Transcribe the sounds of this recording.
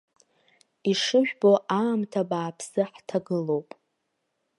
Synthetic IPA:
iʂɨʒᶣbo̞ʔaːmtʰabaːpʰsɨħtʰaɡɨlo̞wpʼ

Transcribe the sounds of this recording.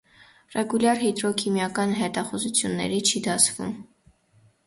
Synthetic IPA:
rɛɡuljɑɾɦɛt̪ɾɔkʰimjɑkɑnɦɛt̪ɑχuzut͡sʰjunːɛ̰ɾit͡ʃʰid̪ɑt͡sʰvṵm

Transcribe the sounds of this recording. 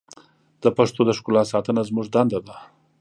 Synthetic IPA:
d̪̥əpaʂt̪od̪əʃkʊlɑsɑt̪ənazmuʐd̪and̪ad̪a

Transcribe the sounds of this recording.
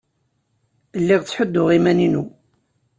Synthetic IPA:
əlːiʁt͡sːħəd̪ːʊʁimæninu

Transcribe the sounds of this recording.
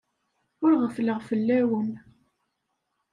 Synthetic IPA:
ʊɾʁəfləʁfəlːæwən

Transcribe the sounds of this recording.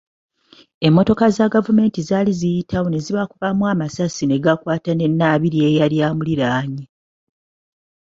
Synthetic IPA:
e̞mːo̞to̞kazaɡavume̞ːntizaːlizijitʰawone̞ziβakuvamwaːmasasine̞ɡakwaːtane̞nːaːβiɾie̞jaljaːmuliɾaːɲi

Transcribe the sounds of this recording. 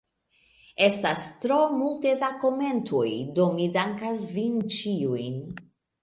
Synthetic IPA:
e̞stastɾo̞multe̞dako̞me̞ntʰojdo̞midaŋkasvint͡ʃiujn

